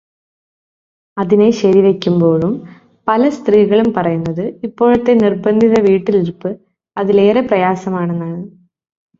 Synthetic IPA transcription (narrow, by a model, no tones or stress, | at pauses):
ɐðine̞ɕɐɾiʋe̞kʲːumbo̞ːɻum | pɐlɐst̪riːɣɐɭumpɐrɐjunːɐðɨipːo̞ːɻɐt̪ːe̞nirbɐnd̪ʱiðɐʋiːʈːiliɾupːɨ | ɐðile̞ːreprɐjaːsɐmaːɳenːaːɳɨ